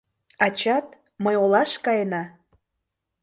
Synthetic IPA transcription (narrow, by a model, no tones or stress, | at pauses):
ɑt͡ɕɑt̪ | məjolɑʃkɑjenɑ